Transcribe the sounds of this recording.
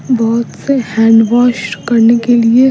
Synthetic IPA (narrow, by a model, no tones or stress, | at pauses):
bɔːt̪sehɛ̃ːɳɖʋaːʃʈkɐɾnekelie